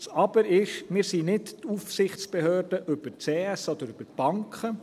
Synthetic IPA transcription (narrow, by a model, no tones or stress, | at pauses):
sɑb̥əɾɪʃmɪɾsinɪttufsɪχt͡sb̥ɛhøːɾdəʔʏb̥əɾt͡seːɛsɔd̪əɾʉb̥əɾb̥ɑŋkχə